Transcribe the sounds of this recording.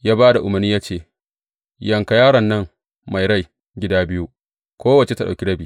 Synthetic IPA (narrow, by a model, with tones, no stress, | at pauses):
jaː˦baː˦da˨ʔʊ˨mɐ˨rniː˦jaː˦t͡ʃeː˦˨ | jɐ˨ŋka˨jaː˦ɽɐ˨nːɐ˦˨ŋ | ma˨jɾa˦˨j | ɡʲɪ˦daː˦bɪ˦ju˦ | kʷoː˦wɐ˨t͡ʃe˨ta˦ɗa˨kʲi˦ɽɐ˦biː˨